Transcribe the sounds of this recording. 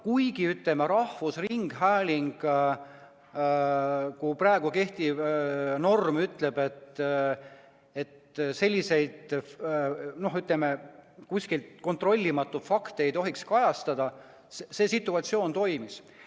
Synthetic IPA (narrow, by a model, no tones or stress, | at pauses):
kujɡiyt̪lemeɾɑhvusriŋɡ̥ɦæːlʲiŋɡ̥ | kupræeɡ̥uke̞ht̪ivno̞rmyt̪le̞b̥e̞t̪ | e̞t̪ | se̞lʲːise̞jd̪̥ | no̞ɦyt̪lemekusʲkilt̪ko̞nt̪ro̞lʲːimɑt̪ːˑu̥fɑkt̪eejt̪o̞ɦikskɑjɑst̪ɑd̪̥ɑ | sse̞ːsit̪ːˑuɑt̪sio̞ːnt̪o̞jmis